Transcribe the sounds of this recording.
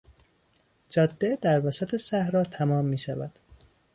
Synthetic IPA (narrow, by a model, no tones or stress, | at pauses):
d͡ʒɒːd̪ːed̪̥æɾvæsæt̪ʰe̞sæhɾɒːt̪ʰæmɒːmːiːʃævæd̪̥